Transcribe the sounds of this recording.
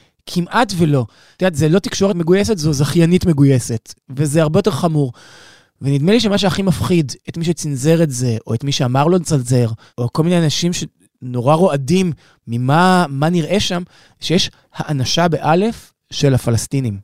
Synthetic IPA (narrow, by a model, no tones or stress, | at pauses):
kʰimʔatvelo̞ | t̪atzelo̞tikʃo̞ʁetme̞ɡujesetzo̞zaχjanitme̞ɡujese̞tvezeaʁbejot̪̬eχamuʁ | venid̪meliʃemaʃ̬uaχimafχidetmiʃet͡sinze̞ʁetze̞ʔo̞etmiʃeamaʁlo̞lt͡sanze̞ʁ | oko̞lminejanaʃimʃe̞ | no̞ʁaʁo̞adimː | imamaniʁʔe̞ʃam | ʃejeʃ | haʔanaʃabe̞ʔale̞f | ʃe̞lafalastinim